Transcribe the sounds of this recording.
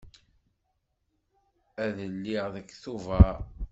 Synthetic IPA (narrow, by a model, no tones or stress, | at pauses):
æðəlːiʁðəkːθuvə